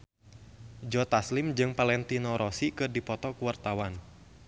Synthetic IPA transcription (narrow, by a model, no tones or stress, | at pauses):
d͡ʒɔt̪aslimd͡ʒɨŋpalɛnt̪inɔɾʔɔsikɨrdipɔt̪ɔkuwart̪awan